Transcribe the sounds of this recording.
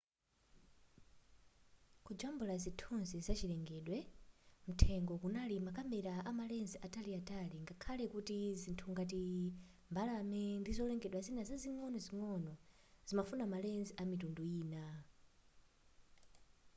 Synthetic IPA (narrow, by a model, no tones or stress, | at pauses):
kud͡ʒambulazitʰunzizat͡ʃilɛŋɡɛɗwɛm̩tʰɛŋɡɔkunalimakamɛɾaʔamalɛnziataliataliŋɡakʰalɛkutizintʰuŋɡatimbalamɛndizɔlɛŋɡɛɗwazinazaziŋɔnɔziŋɔnɔ | z̥imafunamalɛnziamitunduiːna